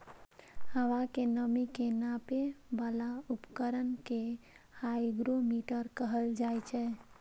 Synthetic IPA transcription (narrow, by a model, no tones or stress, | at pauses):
həʋakenəmikenapebəlaupkəɾənke | hajɡɾomiʈəɾkəɦəld͡ʒajt͡ʃʰɛ